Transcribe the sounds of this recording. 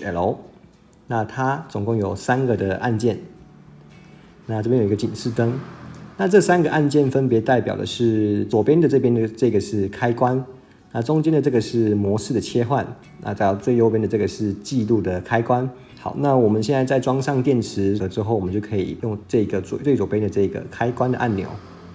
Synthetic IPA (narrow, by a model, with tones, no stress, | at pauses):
ɛ˨˩lo˧˥ʊ | na˥˩t̪ʰa˦t͡sʊ˨˩ŋkʊ˥˩ŋjo˨˩ʊsa˥nɡə˨d̪ə˩ʔa˥˧nt͡ɕjɛ˥˩n | na˥˩ʈ͡ʂɤ˥˩pjɛ̃˥jo˨˩i˥ɡə˧t͡ɕi˨˩nʂɻ̩˥˩t̪ə˥ŋna˥˧ʈ͡ʂɤ˥˩sa˥nɡə˨ʔa˥˧nt͡ɕjɛ˥˩nfə˦˥npjɛ˧˥t̪a˥˩ɪpjɑ˨˩ʊd̪ə̰˦ʂɻ̩˥˩t͡swɔ˨˩pjɛ˦˥nd̪ə˨ʈ͡ʂɤ˥˩p̬jɛ˥n˧ʈ͡ʂɤ˥˩˧ɡə˩ʂɻ̩˥˩kʰa˥ɪkwa˦n | na˥˩ʈ͡ʂʊ˥ŋt͡ɕɛ˥nd̪ə˨ʈ͡ʂɤ˥˩ɡə˩ʂɻ̩˥˩mwɔ˧˥ʂ̩˥˩d̪ə˩t͡ɕʰjɛ˥xwa˥˩n | na̰˥˧t͡sa˥˩t͡swe˥˩ɪjo˥ʊp̬jɛ˥nd̪ə˩ʈ͡ʂɤ˥˩ɡə˩ʂɻ̩˥˧t͡ɕi˥˧lu˥˩d̪ə˩kʰa˥ɪkwa˦n | xɑ˨˦ʊna˥˩wɔ˨˩mə˨nɕjɛ˥˧nt͡sa˥˧ɪa˥˩ɪʈ͡ʂwɑ˥ŋʂɑ˥˧ŋt̪jɛ˥˩nʈ͡ʂ̩ʰ˧˥ɤ˧˦ʈ͡ʂɻ̩˥xo˥˩wɔ˨˩ə˦t͡ɕo˥˩kʰɤ˧˥ḭ˨˩jʊ˥˧ŋʈ͡ʂɤ˥˩i˧˥ɡə˩t͡swɔ˨˩t͡swe˥˩ɪt͡swɔ˨˩pjɛ˥nd̪ə˨ʈ͡ʂɤ˥˩i˧ɡə̰˨˩kʰa˥ɪkwa˥˦nd̪ə˨ʔa̰˥˩nnjo̰˨˧˦ʊ